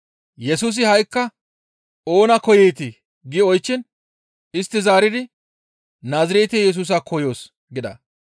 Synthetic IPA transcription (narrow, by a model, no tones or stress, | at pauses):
jɛsuːs̬ɪhɐjkːɐ | o̞ːnɐkɔjɛjt̪ɪ | ɡɪɔjt͡ʃːɪn | ɪst̪ːɪzaːɾɪd̪ɪ | naːzɐɾeːt̪eːjɛs̬uːs̬akʰɔjo̞ːs | ɡɪd̪ɐ̰